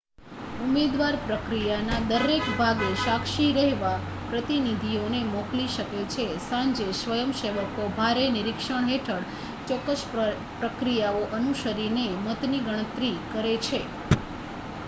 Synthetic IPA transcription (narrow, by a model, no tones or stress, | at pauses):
umed̪ʋaɾpɾəkɾijanad̪əɾekbʱaɡeʃakʃiɾəɦʋa | pɾət̪inid̪ʱionemɔkliʃəket͡ʃʰesãɲd͡ʒesʋəjəmʃeʋəkobʱaɾenɪɾikʃəɳ̃ɦeʈʰəɽ | t͡ʃɔkːəs | pɾəkɾijaoʔənuʃəɾinemət̪niɡəɽ̃ət̪ɾikəɾet͡ʃʰe